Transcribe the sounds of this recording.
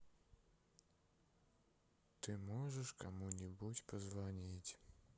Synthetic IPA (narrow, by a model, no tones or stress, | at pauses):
t̪ɨmɔʐɛʂkɔmunʲibut͡ɕʲpɔzvɔnʲit͡ɕʲ